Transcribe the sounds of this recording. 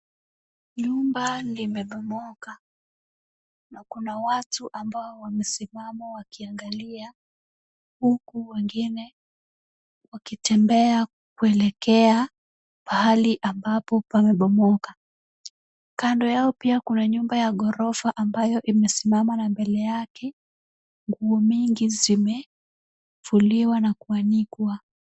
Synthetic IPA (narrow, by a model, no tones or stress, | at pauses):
ɲumbalimɛɓɔmɔka | nakunawatuʔambaɔwamɛsimamawakiaŋɡalia | hukuwɛŋɡinɛ | wakitɛmbɛa | kuɛlɛkɛa | pahaliʔambapɔpamɛɓɔmɔka | kandɔjaɔpiakunaɲumbajaɠɔɾɔfaʔambajɔʔimɛsimamanambɛlɛjakɛ | ŋɡuɔmiŋɡizimɛ | fuliwanakuanikwa